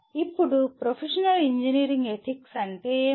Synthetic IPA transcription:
ipːuɽupɾopʰeʂɐnɐliɲd͡ʒiniːɾiŋɡet̪ʰiksɐɳʈe

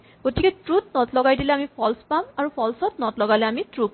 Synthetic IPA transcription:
ɡ̥otikɛtɹutnɔtlɔɡajdilɛamipʰɔlspamaɹupʰɔlsɔtnɔtlɔɡalɛamitɹuk̚

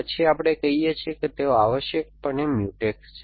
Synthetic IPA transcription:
ət͡ʃʰiapɽ̃ekəɦijet͡ʃʰieket̪eoaʋəʃjək̚pəɳemjuʈekst͡ʃʰe

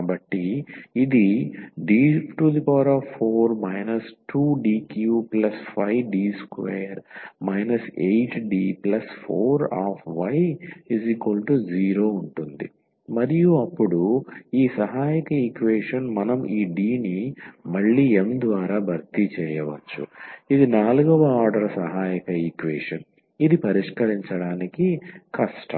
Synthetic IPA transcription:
ɐbɐʈːiid̪iɖiːʈud̪ipaːɾaːfʰoːɾmɐjnɐsʈuːɖiːkjuːplɐspʰɐjɖiːskʋeːɾmɐjnɐsejʈɖiːplɐspʰoːɾaːfʋɐjiziːkʋɐlʈud͡ʒiːɾoːuɳʈund̪ḭ | mɐɾijuɐpːuɽuiːsɐɦaːjɐkɐikʋeːʂɐnmɐnɐmʔiːɖiːnimɐɭːiːemd̪ʋaːɾaːbʱɐɾt̪it͡ʃɛːjɐʋɐt͡ʃːṵid̪inaːluɡɐʋɐaːɾɖɐɾɐsɐɦaːjɐkɐikʋeːʂɐn | id̪ipɐɾiʂkɐɾiɲt͡ʃɐɽaːnikikɐʂʈɐ̰

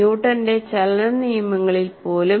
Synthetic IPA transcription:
uːʈːɐnde̞t͡ɕɐlnɐnijɐmɐŋːɐɭilpo̞ːlu

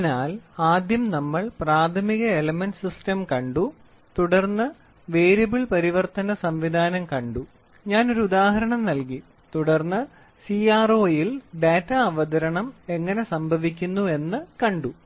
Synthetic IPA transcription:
naːlaːd̪jɐmnɐmːɐɭpraːt̪ʰɐmiɣɐelɐmenʈsistɐmkɐɳɖu | t̪uɽɐrnːɨ | ʋeːɾjɐbiɭpɐɾiʋɐrt̪ɐnɐsɐmʋid̪ʱaːnɐmkɐɳɖu | ɲaːno̞ɾuud̪aːɦɐɾɐɳɐmnɐlki | t̪uɽɐrnːɨ | siːaːroːjilɖeːtːɐɐʋɐd̪ɐɾɐɳɐme̞ŋːɐne̞sɐmbʱɐʋik̬ʲːunːue̞nːɨkɐɳɖu

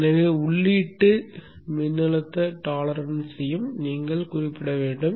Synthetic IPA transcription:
nɐʋeʊɭːiːʈːɯ | mɪnːɪɭɐt̪ːɐʈaːlɐɾɐnsɛjɯmniːŋɡɐɭkʊrɪpːɪɽɐʋeːɳɖɯm

